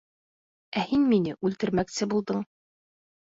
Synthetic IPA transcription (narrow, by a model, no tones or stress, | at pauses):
æhinminɘʔʉlt̪ɘ̆ɾmæksɘbulˠd̪ɤɴ